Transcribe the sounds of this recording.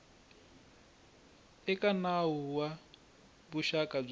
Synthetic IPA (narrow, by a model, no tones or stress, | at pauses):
ɛkʼanaɦuwa | buʃakʼab͡ʐ